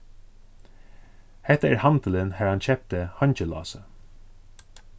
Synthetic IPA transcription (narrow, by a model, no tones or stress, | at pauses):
hɛht̪aæɹhant̪əlɪnhæːɹhançʰɛp̚t̪əhaɲt͡ɕəlɑ̰ːsə